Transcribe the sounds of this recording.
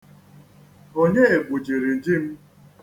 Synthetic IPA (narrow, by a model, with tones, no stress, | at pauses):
o˦ɲe˦e˨ɡʷu˨d͡ʒi˨ɾi˨d͡ʒi˦m̩˦